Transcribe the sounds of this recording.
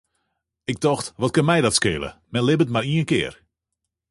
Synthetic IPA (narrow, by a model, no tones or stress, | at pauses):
ɪk̚tɔxtʋɔt̚kənmɛjdɔtskɪ̰ːlə̰mɛnlɪbətmariənkɪ̰ːr